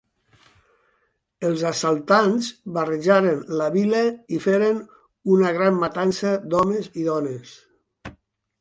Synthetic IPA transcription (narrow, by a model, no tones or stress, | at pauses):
əlˠzasalˠt̪anzβarəʒaɾənləβiləifeɾen | unəɣɾammat̪ansəd̪ɔməziðɔnes